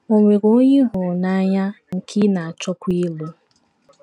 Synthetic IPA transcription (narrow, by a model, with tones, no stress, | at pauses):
o˨ŋʷe˨ɾo˦ɲɪ˦ɦʊ˨na˦ɲa˦ŋ̩˨kʰi˦na˨a˨t͡ʃɔ˦kʷi˦lo˦